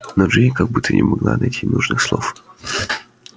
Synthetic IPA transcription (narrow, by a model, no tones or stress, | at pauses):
noʐɨkɐɡ̚but̪ʰːənʲʔɪmɐɡlˠa̰nɐjtʲʰinuʐnɨxslˠof